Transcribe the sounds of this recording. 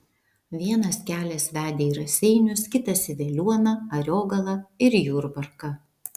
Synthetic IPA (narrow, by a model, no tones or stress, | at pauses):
ʋʲiɛnɐskʲæːlʲɛsʋʲæːd̪ʲeːiːɾɐsʲɛɪnʲʊskʲɪt̪ɐsʲɪʋʲɛlʲuɔnɐɐɾʲoːɡɐlˠɐɪɾjuːɾbɐɾkɐ